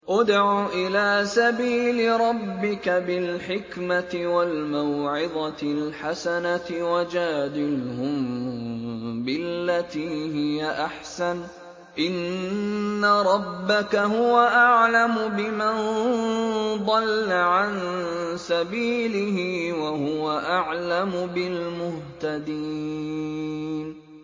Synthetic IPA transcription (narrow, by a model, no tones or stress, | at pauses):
ʔʊd̪ʕuːʔɪlaːsabiːlɪɾˤɑbːɪkabɪlħɪkmat̪ɪwalmawʕɪd̪ˤɑɪlħasanawad͡ʒaːd̪ɪlhʊm | bɪlːat̪iːɦɪjaʔaħsan | ʔɪnː | aɾˤɑbːakaɦʊwaʔaʕlamʊbɪman | d̪ˤɑlːaʕansabiːlɪɦɪːwahʊwaʔaʕlamʊbɪlmʊht̪ad̪i | n